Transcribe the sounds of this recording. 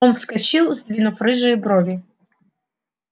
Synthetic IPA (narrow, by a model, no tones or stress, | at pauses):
ɔnfskɐt͡ɕilˠzd̪vʲinʊfrɨʐɨjbɾɔvʲɪ